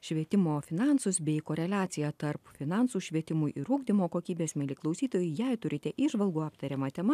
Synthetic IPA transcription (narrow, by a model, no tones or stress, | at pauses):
ʃʲʋʲiɛt̪ʲɪmoːfʲɪnɑˑnsʊsbʲɛɪkoːɾʲɛlʲæːt̪sʲɪjæt̪ɐɾpfʲɪnɑˑnsuːʃʲʋʲiɛt̪ʲɪmʊjʔɪɾʊɡd̪ʲɪmoːkoːkʲiːbʲeːsmʲɛlʲiklˠɒʊsʲiːt̪oːjʊjɛɪt̪ʊɾʲɪt̪ʲɛʔiːʒʋɐlˠɡʊːɑːpt̪ɐɾʲɛmɐt̪ʲɛmɐ